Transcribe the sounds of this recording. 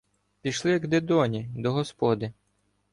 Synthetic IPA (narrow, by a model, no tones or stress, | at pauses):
pʲiʃlˠɪɡd̪ed̪ɔnʲid̪ɔɦɔspɔd̪ɪ